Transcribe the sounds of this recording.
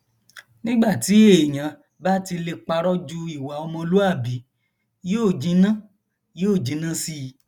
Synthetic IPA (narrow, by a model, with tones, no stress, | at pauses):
nĩ˦ɡ͡ba˦˨ti˨˦e˦˨j̃ã˨˦ | ba˦ti˧le˧k͡pa˧ɾɔ˦d͡ʒu˧i˦˨wa˨˦ɔ˧mɔ̃˧lu˦a˦˨bi˨˦ | joː˦˨d͡ʒĩ˨˦nã˦ | joː˦˨d͡ʒĩ˨˧˦nã˦si˧˦˧